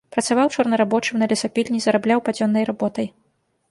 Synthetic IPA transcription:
pɾɐt̪savawt͡ʂɔrnɐɾabɔt͡ʂɨmnɐlʲɐsapʲilʲnʲizɐɾablʲawpad͡zʲɔnːɐjɾabɔt̪ɐj

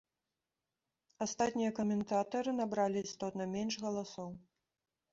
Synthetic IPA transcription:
ast̪at̪ʲnʲijɐkɐmʲɛnt̪at̪ɐɾɨnabɾalʲiːst̪ɔt̪nɐmʲɛnʂɣɐlˠasɔw

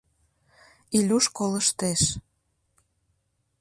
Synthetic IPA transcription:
ilʲuʃkoləʃt̪eʃ

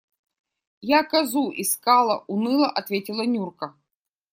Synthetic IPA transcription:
jakɐzuʔiskalˠɐʔunɨlˠɐʔɐt̪vʲetʲɪlˠɐnʲurkə

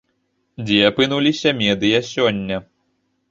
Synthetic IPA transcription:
d͡zʲɛpɨnulʲisʲɐmʲɛd̪ɨjɐsʲɔnʲːɐ

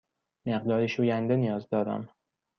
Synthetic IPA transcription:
me̞ɢd̪ɒːɾiʃuːjænd̪e̞nijɒːzd̪ɒːd̪æ̰m

